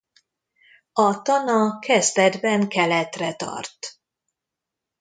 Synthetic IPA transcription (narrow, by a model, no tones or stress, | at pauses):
ɒt̪ɒnɒkʰɛzd̪ɛd̪bɛŋkɛlɛt̪rɛt̪ɒ̰rt̪